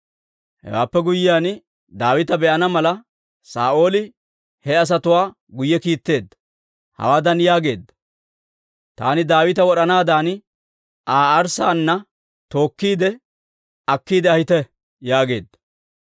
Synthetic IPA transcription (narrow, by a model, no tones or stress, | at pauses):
hɛ̰wa̰ːpːɛɡʊjɪjaːn | d̪aːwɪt̪ɐbɛʔɐnɐmɐlɐ | sa̰ːʔo̞ːlɪ | hɛɐs̬ɐt̪ʊwaː | ɡʊjːɛkiːt̪ːe̞ːd̪ːɐ̥ | hɐ̰waːd̪ɐnjaːɡe̞ːd̪ːɐ̥ | t̪a̰ːnɪd̪aːwɪt̪ɐwɔɗɐnaːd̪aːn | aːɐɾsaːnːɐ | t̪o̞ːkːiːd̪ɛ | ɐkːiːd̪ɛɐhɪt̪ɛ | jaːɡe̞̰ːd̪ːɐ̥